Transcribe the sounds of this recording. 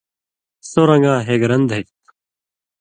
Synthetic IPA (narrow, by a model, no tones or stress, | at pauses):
soɾɐŋɡaːɦeːɡɾɐnd̪ʱekt̪